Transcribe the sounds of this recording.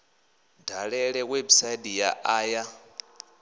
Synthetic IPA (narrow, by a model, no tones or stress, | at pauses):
daɺɛɺɛwebisaidijaʔaːja